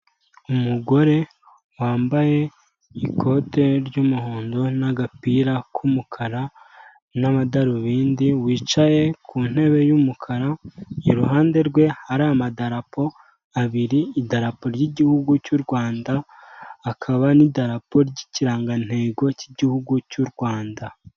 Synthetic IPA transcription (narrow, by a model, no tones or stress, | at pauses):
umuɡo̞ɾe̞ | waːmbaje̞ | ikʰo̞te̞ɾɟumuhoːndo̞naɡapiɾakʰumukʰaɾa | naβadaɾuβiːndiwiːt͡ʃaje̞kʰuːn̥he̞βe̞jumukʰaɾaiɾuɦaːnde̞ɾɡwe̞haɾamadaɾapo̞ | aβiɾiːdaɾapo̞ɾɟiɟihuɡucuɾɡwaːndaː | kʰaβanidaɾapo̞ɾɟiciɾaːŋɡan̥he̞ːɡo̞ciɟihuɡucuɾɡwaːnda